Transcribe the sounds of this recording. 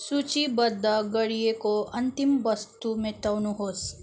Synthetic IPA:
sut͡ʃibɐd̪aɡɐɽijekoɐnt̪imbɐst̪umẽt̪ɐwnuɦoːs

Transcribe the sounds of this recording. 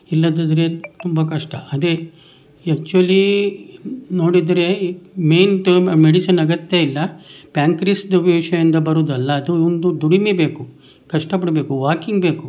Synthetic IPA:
ilːɐd̪ɐd̪ɾet̪umbɐkɐʂʈɐʔɐd̪e | ɐk̚t͡ʃuʋɐli | no̞ːɽid̪ɾe̞me̞ːnʈmeɽisɐnɐɡɐt̪jeilːɐpjaːŋkɾisd̪ɐʋiʋʂɐjɐnd̪ɐbɐɾuːd̪ɐlːɐːd̪uond̪ud̪uɽimebe̞ːku | kɐʂʈɐp̬ɐɽbe̞ːkuʋaːkiŋɡbe̞ːku

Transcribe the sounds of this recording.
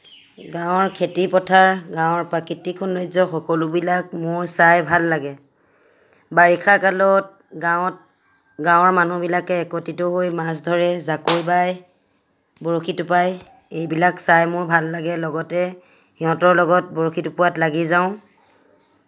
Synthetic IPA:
ɡawʊ̃ɔɹkʰetipɔtʰaɹɡaw̃ɔɹpɹakitikʰɔnːojzɔxɔkɔlʊbilak̚mʊɹsajbʱalːaɡɛ | baɹikʰakalɔt̚ | ɡat | ɡãw̃ɔɹmanubilakɛːkotitʊɦojmas̬dʱɔɹɛzakojbaj | bɔɹoxʰitʊpaj | ejbilaksajmʊɹbʱalːaɡɛlɔɡɔtɛ | xiɦɔ̃tɔɹlɔɡɔt̚bɔɹokʰitupʊwatlaɡizaʊ̃

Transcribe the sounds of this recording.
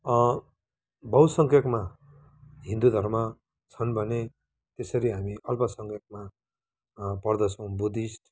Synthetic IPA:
bʌwsʌŋkjʌkma | ɦĩnd̪ud̪ʱʌrmʌ | t͡sʰʌnbʱʌne | t̪esʌɾiɦamiʔʌlpʌsʌŋkjʌk̚ma | pʌrd̪ʌt͡sʰʌ̃w̃bud̪isʈ

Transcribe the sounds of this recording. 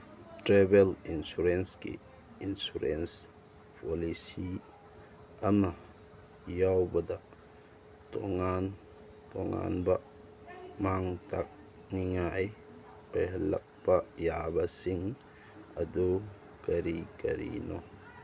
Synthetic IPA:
tɾebelinsuɾensɡḭ | insuɾens | pʰɔlisi | ama | jawbɐda | tɔ̰ŋan | tɔŋa̰nba | maŋtʰak̚ | niŋaj | ojhɐlɐ̰k̚pajabɐsiŋ | ɐdu | kɐɾikɐɾḭnɔ

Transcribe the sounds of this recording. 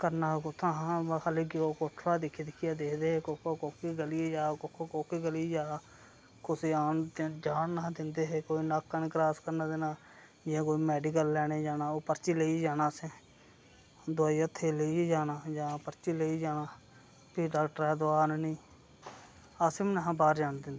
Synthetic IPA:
kəɾnaːkʊt̪ʰããkʰaːleːɡioːkoʈʰɾaːd̪ɪkʰːid̪ɪkʰɪjaːd̪eːkʰd̪eːɦeːkoːkokoːkiːɡəlieːd͡ʒaːkokʰokoːkiːɡəliːd͡ʒaː | kʊsaːnt̪d͡ʒaːnːaːd̪ɪnd̪eːɦeːkoːiːnaːkːənkɾaːskəɾnãːd̪enaː | d͡ʒɪãːkoːiːmɛːɖiːkəlːɛːɽ̃eːd͡ʒaːnaːoːpəɾt͡ʃiːleiːd͡ʒaːnaːsẽː | d̪ʊaːiːət̪ʰːeːleid͡ʒaːnaːd͡ʒãːpəɾt͡ʃiːleiːd͡ʒaːnaː | piːɖaːkʈəɾɛːd̪ʊaːnnĩː | aːsɪmnəɦãːbaːɾd͡ʒaːnd̪ɪnd̪eː

